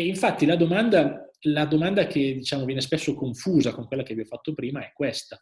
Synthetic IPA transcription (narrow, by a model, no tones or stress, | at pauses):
iɱfat̪ːilad̪omand̪alad̪omand̪aked̪it͡ʃaːmovjɛnespesːokoɱfuːzakoŋkwelːakeviɔfat̪ːopɾiːmaɛkːwest̪a